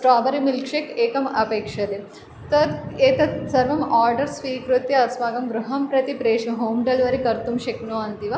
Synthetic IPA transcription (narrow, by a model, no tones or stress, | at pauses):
sʈaːbɐɾimilkʂekeːkɐmɐpeːkʂɐd̪i | t̪ɐɾeːt̪ɐsɐɾʋɐmaːɾɖɐɾsʋiːkɾut̪ːjɐɐsʋaːɡɐmɡɾuɦɐmpɾɐt̪ipɾeːʂnɐɦoːmɖɐlʋɐɾikɐɾt̪umʃɐknoːɐnt̪iʋɐ